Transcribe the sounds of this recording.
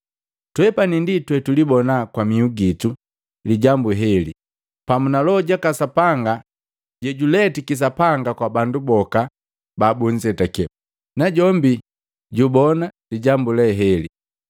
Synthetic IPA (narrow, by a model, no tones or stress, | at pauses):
twɛpaninditwɛtulibɔnakwamiuɡitu | liɟambuɦɛlḭ | pamunalɔɟakasapaŋɡa | ɟɛɟulɛtikis̬apaŋɡakwabandubɔka | babuɲd͡ʒɛtakɛ | naɟɔmbi | ɟubɔnaliɟambulɛɦɛli